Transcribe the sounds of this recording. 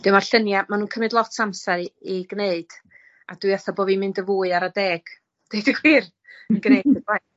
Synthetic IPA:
d̥ɪwmarɬənjamanuːnkʰəmɨdlˠɔtʰsamsaɾiiɡneɨd̥ | ad̥wɨaθaboːvimɪndəvuːɨaɾadɛːɡ̥ | d̥eɨdəɡwiːr | əɡnedəba

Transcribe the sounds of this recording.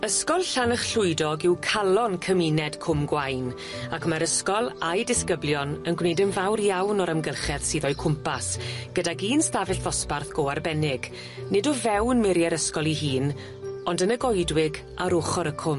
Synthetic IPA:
əskɔlˠɬanəχɬʊɨdɔɡɪwkʰalˠɔnkʰəminɛd̥kʰʊmɡwajn | akmaɾəskɔlˠajdɪskəblˠjɔnənɡwnejdənvawrjawnɔɾəmɡəlˠχɛð̥siːðɔjkʰʊmpʰasɡ̥ədaɡiːnstavɪɬvɔsparθɡ̥oːarbɛnɪɡ | nɪdɔvɛwnmɪɾjɛɾəskɔlˠiɦiːn | ɔndənəɡɔjdwɪɡ | aɾoːχɔɾəkʰʊm

